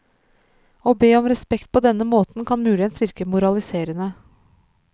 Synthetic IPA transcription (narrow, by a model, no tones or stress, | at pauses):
oːbeːɔmɾɛspɛkt̪̚pʰɔd̪ɛnːəmoːt̪n̩kʰɑnmʉːlɪənsʋɪɾkəmʊɾɑlɪseːɾənə